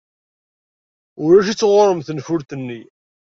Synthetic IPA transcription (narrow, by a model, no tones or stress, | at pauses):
ʊɾæʃ̬it͡sːʁʊɾˤəmθənfʊɾt̪ənːi